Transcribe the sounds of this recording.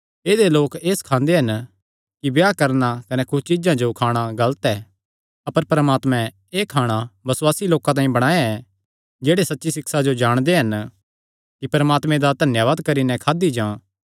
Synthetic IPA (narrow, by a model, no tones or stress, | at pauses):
eːd̪eloːkeːskʰãːnd̪eɦɐn | kibjaːkɐɾnakɐnɛkʊt͡ʃɪd͡ʒãd͡ʒokʰaːɽ̃aɡɐlət̪ɛː | ɐpəɾpɐɾəmaːt̪mɛ̃ | eːkʰaːɽ̃abɐswaːsiloːkãt̪̬aːĩbɐɽ̃aːeɛ | d͡ʒeːɽesɐtːʃisɪksad͡ʒod͡ʒaːɽ̃d̪eɦɐn | kipɐɾəmaːt̪mɛ̃d̪ad̪ʱɐnjaʋaːd̪kɐɾinɛkʰaːd̪id͡ʒãː